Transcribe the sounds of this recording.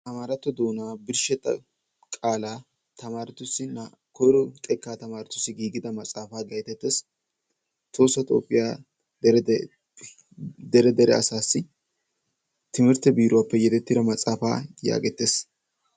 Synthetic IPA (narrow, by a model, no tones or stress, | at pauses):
t̪ɐmaːɾɐt̪ːɔd̪o̞ːnaːbɪɾʃɛt̪ʼːɐ̰ | kʼaːlaː | t̪ʰɐmaːɾɐt̪ʊsːɪnɐ | kɔjɾɔt̪ʼɛkːaːt̪ɐmaːɾɐt̪ʊsːɪɡiːɡɪd̪ɐmɐt͡sʼaːfaːɡɐjt̪ɛt̪ːes | t̪o̞ːsːɐt̪ʼo̞̰ːpʼːɪjaː | ɾ | d̪ɛɾɛd̪ɛɾɛ̰ɐsaːsːɪ | t̪ɪmɪɾt̪ːɛbiːɾʊwaːpːɛjɛt̪ɛt̪ːɪd̪ɐmɐt͡sʼaːfa̰ːja̰ːɡɛt̪ːeːs